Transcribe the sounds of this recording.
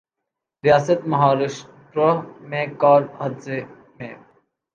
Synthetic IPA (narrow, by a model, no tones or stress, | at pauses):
ɾijaːsət̪mɐɦaːɾɪʃ | ʈɾəmẽkaːɾhɐd̪ze | mẽː